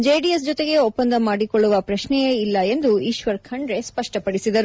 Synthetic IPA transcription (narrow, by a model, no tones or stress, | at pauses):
d͡ʒejɖies̬d͡ʒɔt̪e̞ɡe̞opːɐnd̪ɐmaːɽikoɭːuʋɐpɾɐʃnɛjeilːɐe̞nd̪uiːʃʋɐɾkʰɐɳɖɾe̞spɐʂʈɐpɐɽisid̪ɐɾu